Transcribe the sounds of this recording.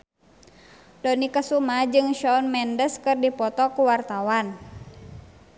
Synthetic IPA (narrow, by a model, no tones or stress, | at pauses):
dɔnikəsumad͡ʒɨŋʃɔnmɛndəskɨrdipɔt̪ɔkuwart̪awan